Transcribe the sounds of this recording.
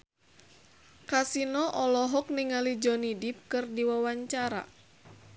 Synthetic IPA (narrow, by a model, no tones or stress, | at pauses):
kasinɔʔɔlɔɦɔk̚niŋalid͡ʒɔnidip̚kɨrdiwawaɲt͡ʃaɾa̰